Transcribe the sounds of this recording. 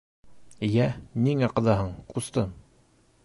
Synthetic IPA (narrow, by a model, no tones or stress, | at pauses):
jæniŋæqɤ̆ðɑɦɤɴqust̪ɤm